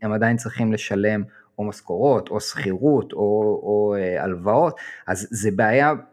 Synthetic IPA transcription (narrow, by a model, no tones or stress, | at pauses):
emad̪aint͡sʁiχimle̞ʃale̞m | omasko̞ʁo̞t̪ʰo̞sχiʁut̪o̞oa̰lvao̞t̪ʔazːebeaja